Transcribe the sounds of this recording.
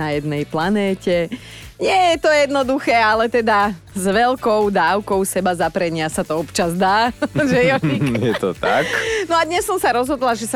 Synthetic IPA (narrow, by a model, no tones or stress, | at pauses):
ajɛd̪nɛjplanɛːcɛ | ɲɪɛjɛt̪ɔjɛd̪nɔd̪uxɛːalɛt̪ɛd̪a | zʋɛlkɔʊd̪aːʊkɔʊsɛbazapɾɛɲɪasat̪ɔɔpt͡ʃazd̪aːʒɛjɔijɛt̪ɔ̰t̪a̰knɔad̪ɲɛsːɔmsaɾɔzɦɔd̪laʒɛsa